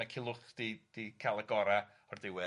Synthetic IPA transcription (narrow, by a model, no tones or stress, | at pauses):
akʰɪlˠʊχd̥id̥ikʰalˠəɡɔɾa | ɔrdɪwɪ